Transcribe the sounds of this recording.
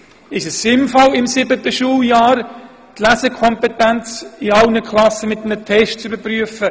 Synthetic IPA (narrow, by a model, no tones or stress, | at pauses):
ɪʃəsːɪmfɑlɪmsɪbətəʃuːljaːɾ | tlæsəkʰɔmpɛtɛnt͡siɑlnəkʰlɑsəmɪtənətʰɛʃtt͡sybəpryəfə